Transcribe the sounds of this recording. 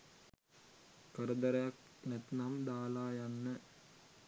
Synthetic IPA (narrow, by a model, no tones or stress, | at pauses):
kəɾəd̪ɐɾɐjak̚ | nɛt̪namd̪aːlaːjanːə